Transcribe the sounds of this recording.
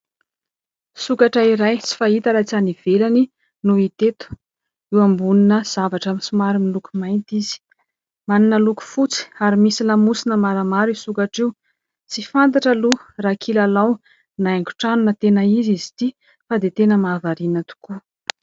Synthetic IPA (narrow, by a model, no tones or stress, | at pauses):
sukaʈ͡ʂaiɾajt͡si̥fait̪aɾat͡saniv̥elani | nuit̪et̪u̥ | iwambuninəz̥avaʈ͡ʂamisumaɾimilukumajnt̪iz̥i̥ | maninəluku̥fut͡si̥aɾimisilamusinəmaɾamaɾisukaʈ͡ʂiw | t͡sifant̪̬aʈ͡ʂəlurakʰilalaw | naaŋɡu̥ʈ͡ʂanunət̪enəizizi̥t̪i | fad̪et̪enəmaːvaɾinət̪u̥ku